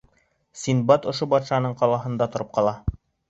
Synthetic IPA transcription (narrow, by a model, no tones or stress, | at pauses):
sinbɑt̪ŏʃobɑt̪ʃɑnɤɴqɑlˠɑɦɤ̆nd̪ɑt̪ŏɾɤp̚qɑlˠɑ